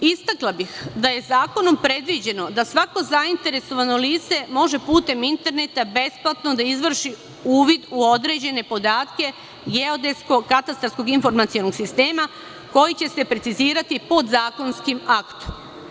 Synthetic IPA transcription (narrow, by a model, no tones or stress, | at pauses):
ist̪aklˠabixd̪aje̞zaːko̞no̞mpɾe̞d̪ʋid͡ʑe̞no̞d̪asʋako̞zaint̪e̞ɾe̞so̞ʋano̞liːt̪se̞mo̞ʒe̞puːt̪e̞mint̪e̞ɾne̞t̪abe̞splˠat̪no̞d̪aizʋr̩ʃi | uːʋid̪uo̞d̪ɾe̞d͡ʑe̞ne̞po̞d̪aːt̪ke̞ | ɡe̞o̞d̪e̞sko̞kat̪ast̪ɾaɾsko̞ɡinfo̞ɾmat̪sijo̞noɡsist̪e̞ːma | ko̞jit͡ɕe̞se̞pɾe̞t̪iziːɾat̪ipo̞d̪zaːko̞nskimakt̪o̥m